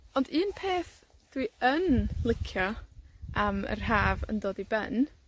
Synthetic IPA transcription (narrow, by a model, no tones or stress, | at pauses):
ɔndiːnpʰeːθ | d̥wiənlˠɪkʰjɔʔamə̰rɦaːvə̰ndoːdibɛn